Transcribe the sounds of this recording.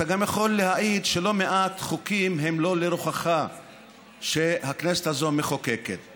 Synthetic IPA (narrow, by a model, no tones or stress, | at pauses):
taɡamjaχo̞lːehaʔid̪ʃe̞lo̞me̞ʔat̪χukimɦe̞mlo̞leɾuχaχa | ʃehakneset̪hazo̞meχokekḛt̪